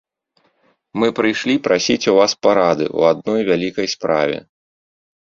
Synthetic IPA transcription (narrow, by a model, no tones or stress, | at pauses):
mɨpɾɨjʂlʲipɾʔasʲit͡sʲuvaspaɾad̪ɨ̰ʔṵad̪nɔjvʲalʲikɐjspɾa̰vʲɛ̰